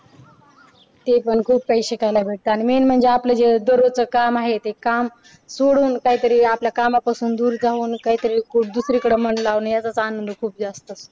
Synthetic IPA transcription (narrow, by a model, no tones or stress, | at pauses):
t̪epəɳkʰuːbpəjɕekajlabʱeʈ̚t̪əaɽ̃imenm̤əɳd͡zeapləd͡ʑed̪əɾot͡səkamaɦet̪ekam | soɽuːnkaɦiːt̪əɾiːapljakamapasuːnd̪uːɾd͡zʱauːnkaɦiːt̪əɾiːkʰuːd̪usɾikəɽem̤əɳɖlaʋnjat͡sat͡sanənd̪ukʰuːp̚d͡zast̪əs